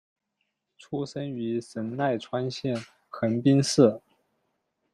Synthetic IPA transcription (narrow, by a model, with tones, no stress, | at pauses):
ʈ͡ʂʰu˥ʂə˥ny˧˥ʂə˧˥nna˥˩ɪʈ͡ʂʰwa˥nɕjɛ˥˩n | xə˧˥npi˥nʂɹ̩˥˩